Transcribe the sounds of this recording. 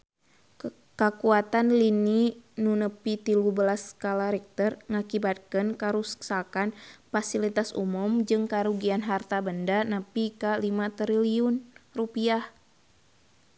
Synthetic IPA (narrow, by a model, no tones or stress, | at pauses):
kəkuat̪anlininunəpit̪ilubəlaskalaɾɛk̚t̪ɔrŋakibat̪̚kənkaɾussakanfasilit̪asṵmumd͡ʒɨŋkaɾuɡianɦart̪abəndanəpikalimat̪ɾiliunrupiah